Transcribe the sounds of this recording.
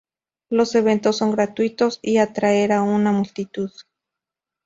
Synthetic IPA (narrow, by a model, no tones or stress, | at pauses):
lo̞se̞β̞e̞nt̪osːo̞ŋɡɾat̪wit̪o̞siat̪ɾaeɾaunamult̪it̪uð